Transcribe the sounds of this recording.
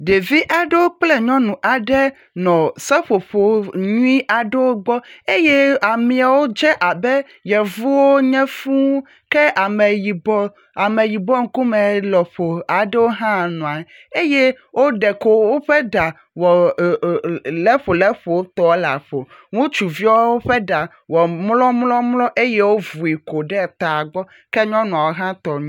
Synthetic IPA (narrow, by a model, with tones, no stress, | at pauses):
ɖe˨vi˦ʔa˨ɖɛ˦wo˦k͡plɛ˦ɲɔ̃˦nũ˨ʔa˨ɖɛ˦ | nɔ̃˨sɛ˦ɸo˨ɸo˨˦ɲũ˦i˦ʔa˨ɖɛ˦wo˦ɡ͡bɔ˦e˦jɛ˦a˨mĩ˨a˨wo˦d͡ʒɛ˦ʔa˨bɛ˦ | jɛ˨vu˦wo˦ɲɛ̃˦fũ˦ | kɛ˦ʔa˨mɛ˨ji˨bɔ˦ | a˨mɛ˨ji˨bɔ˦ŋ̩˦ku˦mɛ̃˨lɔ˨ɸo˨a˨ɖɛ˦wo˦ɦã˦˨nũ˨a˨ | e˦je˦ | wo˦ɖɛ˨ko˨wo˦ɸɛ˦ɖa˨ | wɔ˨ | lɛ˦ɸo˨lɛ˦ɸo˨wo˦t̪ɔ˦wla̰˨ɸo˨ | ŋũ˦t͡ʃu˨vi˦a˦wo˦ɸe˦ɖa˨ | wɔ˨mlɔ˦mlɔ˦mlɔ˦ʔe˦je˦wo˦vu˨i˨ko˨ɖɛ˦˨t̪a˨a˨ɡ͡bɔ˦ | kɛ˦ɲɔ̃˦nũ˨a˨wo˦ɦã˦t̪ɔ˨ɲũ˦